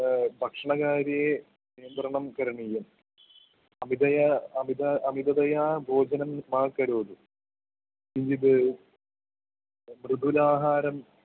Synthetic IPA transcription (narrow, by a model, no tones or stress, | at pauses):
bʱɐkʂɐɳɐɣaːɾije | nijɐnd̪rɐɳɐmkɐɾɐɳijɐm | ɐmid̪ɐjaɐmid̪ɐɐmid̪ɐðɐjaːbʱo̞ːd͡ʑɐnɐmːaːkɐɾoːd̪u | iɲd͡ʑiðɨ | mrɨd̪ʱulaːɦaːɾɐm